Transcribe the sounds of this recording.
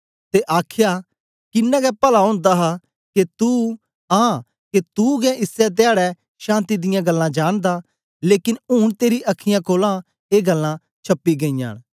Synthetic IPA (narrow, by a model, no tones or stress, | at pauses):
t̪eʔaːkʰja | kɪnːɛ̃ɡɛpɐlaɦʊ̃ːnd̪aɦa | ket̪u | ɦãː | ket̪uɡɛʔɪsɛt̪̬eaːɽɛ | ʃãːnt̪id̪ɪjãɡɐlːãd͡ʒaːɽ̃d̪a | leːkɪnuːɽt̪eːɾiʔɐkʰːɪjãkoːlã | eːɡɐlːã | t͡ʃʰɐpːiɡɐĩja̰ːɽ̃